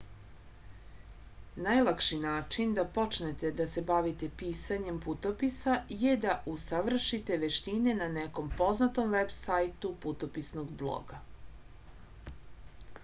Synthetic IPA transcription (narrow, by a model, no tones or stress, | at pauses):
najlˠakʃinaːt͡ʃind̪apo̞t͡ʃnet̪e̞d̪asebaʋit̪e̞piːsaɲe̞mput̪o̞pisaje̞d̪aʔusaʋr̩ʃit̪e̞ʋeʃt̪ine̞naneko̞mpo̞znat̪o̞mʋebsajt̪uput̪opisnoɡblˠo̰ɡa